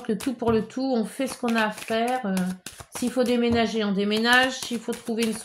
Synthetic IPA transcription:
klət̪upuʁlət̪ʰuɔ̃fɛsə̥kɔ̃naːfɛːʁøsiːlfod̪emenaʒeɑ̃d̪emenaʒsiilfot̪χuveyns

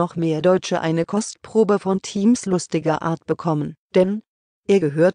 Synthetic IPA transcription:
ɔχmeːɐdɔʏt͡ʃəʔa̰ɪnəkʰɔstpʁ̥oːbəfɔntʰiːmslʊstɪɡɐʔa̰ːɐt̚b̥əkʰɔmənd̥ɛn | ʔeːɐɡəɦøːɐt

